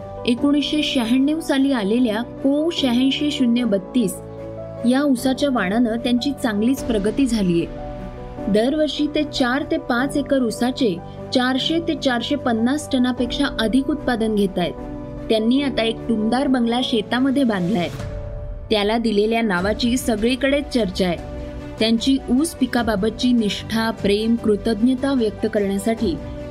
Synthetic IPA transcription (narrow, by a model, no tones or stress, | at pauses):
ekoɽ̃isɕeɕəɦeɳːewsaliːaleljakowɕəɦə̃jɕeɕunjəbət̪ːiːs | jausat͡ɕjaʋaɽ̃anət̪jaɲt͡ɕiːt͡sãŋɡliːt͡spɾəɡət̪iːd͡zʱalije | d̪əɾʋəɾʂiːt̪et͡ɕaɾt̪epat͡sekəɾusat͡se | t͡ɕaɾɕet̪et͡ɕaɾɕepənːasʈʰənapekʂaʔəd̪ʱikut̪̚pad̪ənɡʱet̪ajt̪ | t̪ːjanːiːat̪aek̚ʈund̪aɾbəŋɡlaɕet̪aməd̪ʱːjebãnd̪lajt̪ | t̪jalad̪ileljanaʋat͡ɕiːsəɡɭikəɽet͡st͡ɕəɾt͡ɕaje | t̪jaɲt͡ɕiːʔuːspikababət̪̚t͡ɕiːniʂʈʰapɾemkɾut̪əd̪njət̪aʋjək̚t̪əkəɾɳjasaʈiː